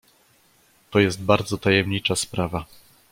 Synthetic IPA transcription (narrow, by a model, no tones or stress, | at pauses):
t̪ɔjɛst̪̚baɾd̪zɔt̪ajɛmɲit͡ʂaspɾava